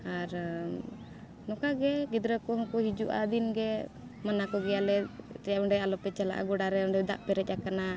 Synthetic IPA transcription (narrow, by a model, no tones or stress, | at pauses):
aɾ | nɔkaɡɛɡid̪ɾəkɔɦɔkɔɦid͡ʒuʔa̰d̪inɡɛ | manakɔɡɛjalɛt̪ɛjaɔɳɖɛalɔpɛt͡ʃala̰ʔa̰ɡɔɽaɾɛɔɳɖɛd̪a̰ʔpɛɾɛc̚ˀakana